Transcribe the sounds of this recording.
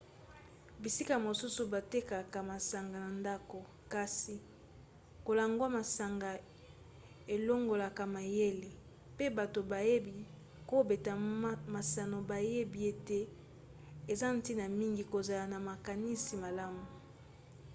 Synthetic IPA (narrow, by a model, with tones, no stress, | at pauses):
bi˨si˦ka˨mo˨su˦su˨ba˨te˦ka˨ka˨ma˨sa˨ŋɡa˨na˨nda˦ko˨ | ka˨si˨ | ko˨la˨ŋɡwa˦ma˨sa˨ŋɡa˨ | e˨lo˦ŋɡo˨la˨ka˨ma˨je˦le˨ | pe˦ba˨to˨ba˨je˦bi˨ | ko˦be˨ta˨ma˨sa˨no˨ba˨je˦bi˨e˨te˦ | e˨za˦n̩˦ti˦na˨mi˦ŋɡi˨ko˨za˨la˨na˨ma˨ka˨ni˦si˨ma˨la˦mu˨